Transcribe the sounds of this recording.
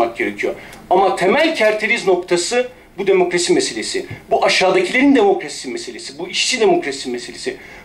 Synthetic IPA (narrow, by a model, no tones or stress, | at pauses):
ak̚ɟe̞ɾe̞cʰijo̞̰ɾ | amat̪ʰe̞mælʲcʰæɾt̪ʰeɾizno̞kt̪ʰasɯ | bud̪e̞mo̞kɾasimese̞lʲe̞sibuʔaʃaːd̪acʰilʲeɾind̪e̞mo̞kɾasi̥smeselʲesibuiʃsid̪e̞mo̞kɾasimese̞lʲesi